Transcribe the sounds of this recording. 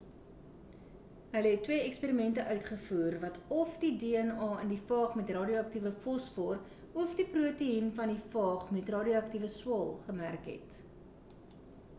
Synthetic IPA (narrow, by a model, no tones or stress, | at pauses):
ɦələɦɛtːwiəɛkspiːɾimɛntəʔœɥtχəfuːrvɐtɔfdideːɛnɑːəndifɑːχmɛtrɑːdioɐktivəfɔsfɔr | ɔfdipruətəinfɐndifɑːχmɛtrɑːdioɐk̚tivəswɑːlˠχəmærkɦɛ̰t